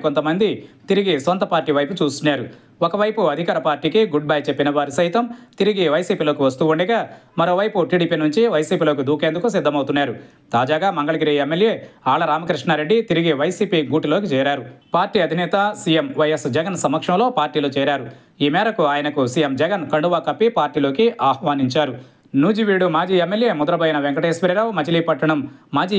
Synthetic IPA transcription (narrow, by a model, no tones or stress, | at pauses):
kont̪ɐmɐnd̪it̪iɾiɡisont̪ɐpaːɾʈːiːʋɐjput͡ʃuːst̪unːaːɾu | okɐʋɐjpuɐd̪ʱikaːɾɐpaːɾʈiːkiɡuɖ̚baːjt͡ʃepːinɐʋaːɾisɐjt̪ɐmt̪iɾiɡiʋɐjsiːpiːlo̞ːkiʋɐst̪uːuɳɖɐɡaːmɐɾo̞ːʋɐjpuʈiːɽiːpiːnuɲt͡ʃiʋɐjsiːpiːloːk̬id̪uːke̞ːnd̪ukus̬id̪ʱːɐmɐwt̪unːaːɾu | t̪aːd͡ʒaːɡaːmɐŋɡɐɭɐɡiɾiemːelje̞ːaːɭɐɾaːmɐkɾiʂɳaɾeɖːit̪iɾiɡiʋɐjsiːpiːɡuːʈilo̞ːkit͡ʃɛːɾaːɾupaːɾʈːiːɐd̪ʱinɛːt̪ɐsiːjemʋɐjɐsd͡ʒɐɡɐnsɐmːɐkʂɐmlo̞ːpaːɾʈːiːloːt͡ʃɛːɾaːɾu | iːmɛːɾɐkuaːjɐnɐkusijemd͡ʒɛɡɐnkɐɳɖuʋaːkɐpːipaːɾʈːiːlo̞ːkiʔaːhʋaːniɲt͡ʃaːɾu | nuːd͡ʒiʋiːɽumaːd͡ʒiːemːelje̞ːmud̪ɐɾɐbɐjɐnɐʋeŋkɐʈeːsʋiɾiɾaːwmɐt͡ʃiliːpɐʈːɐɳɐmːaːd͡ʒiː